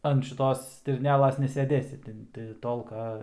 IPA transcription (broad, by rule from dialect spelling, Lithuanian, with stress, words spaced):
ɐn ʃʲɪˈtoːs sʲtʲɪrʲnʲˈæːlˠɐs nʲɛsʲɛˈdʲeːsʲɪ ˈtʲɪn tʲɪ ˈtoːlˠkɐ